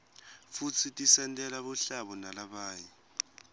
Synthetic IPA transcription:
fut͡sʰitʼisɛntʼɛlaɓuɬaɓɔnalaɓaːji

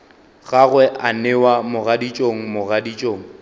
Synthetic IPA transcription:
ɣaɣwɛʔanewamʊɣadit͡ʃʼoŋ̩mʊɣadit͡ʃʼoːŋ̩

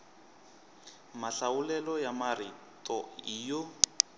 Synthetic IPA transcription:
maɬawulɛlɔjamari | tʼɔiːjɔ

